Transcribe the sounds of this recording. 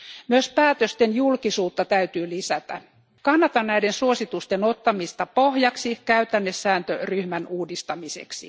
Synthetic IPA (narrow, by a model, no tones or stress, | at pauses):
myøspæːt̪øst̪enjulkisuːt̪ːɑt̪æyt̪yːlisæt̪æ̰ | kɑnːɑt̪ɑnnæidensuosit̪ust̪eno̞t̪ːɑmist̪ɑpo̞hjɑksikæyt̪ænːesːæːnt̪øryhmænuːdist̪ɑmisḛksḭ